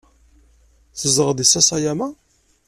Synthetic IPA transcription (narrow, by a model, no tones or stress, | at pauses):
θəzəʁəd̪isːæsajæmæ